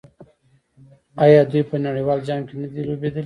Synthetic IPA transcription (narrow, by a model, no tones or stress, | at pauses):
ajɑd̪ujpənaɽiwɑːld͡ʒaŋɡkenad̪iɾubed̪əl